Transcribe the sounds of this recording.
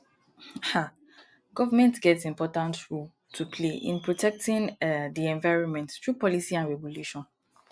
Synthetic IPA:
ha | ɡɔvamɛ̃ntɡɛtsĩmpɔtãntɹul | tʰupʰleʔḭ̃npɹotʰɛk̚tĩndiɛ̃ɱvaɪɹɔ̃nmɛ̃nttɹupɔlisiãnɹɛbɔluʃɔ̃n

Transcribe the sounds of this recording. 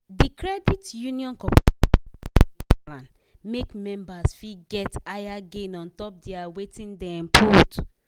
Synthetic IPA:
dikɾɛditjũniɔ̃nkɔp | lãn | mekmɛ̃mbasfiɡɛtajaɡẽnɔ̃ntɔp̚dɛawetĩndɛ̃ɛ̃mpʰot

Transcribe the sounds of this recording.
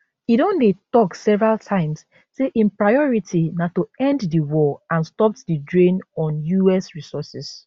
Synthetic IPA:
idõndetɔksɛvɹaltʰãɪ̃ms | seʔĩnpɹajɔɹitʰinatoɛ̃nddiwɔãnstɔp̚tdidɹẽnɔ̃njuɛsɹisɔsis

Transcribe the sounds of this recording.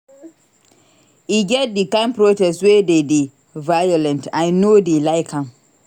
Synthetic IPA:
iɡɛt̚dikãmpɹotɛstwededi | vajɔlɛ̃ntãjnoːdilaɪkʰãm

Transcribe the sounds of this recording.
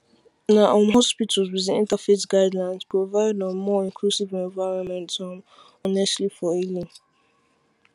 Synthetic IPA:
naʔomɦɔspitʰəlzwizĩḭ̃ntafesɡaɪdlãɪ̃nspɹovaɪddɔ̃nmɔĩŋkʰlusivɛ̃ɱvaɪɹɔ̃nmɛ̃ntɔm | ɔnɛstlifɔilĩŋ

